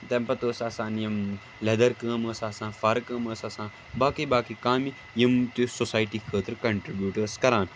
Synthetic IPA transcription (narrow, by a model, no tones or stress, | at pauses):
t̪ẽmpɐt̪oːsaːsãːnjɐm | led̪ɐɾkəːməːsaːsãːfaɾkəːməːsasãː | baːkibaːkikaːmi | jɐmt̪usosaːjʈikʰəːt̪ɾkɐɳʈɾibjuːʈəɾskɐɾãːn